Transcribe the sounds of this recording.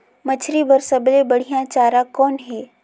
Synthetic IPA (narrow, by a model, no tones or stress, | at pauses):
mɐt͡ʃʰɾibəɾsɐblebɐɽ̤ijãt͡ʃaːɾakɔːnɦɛː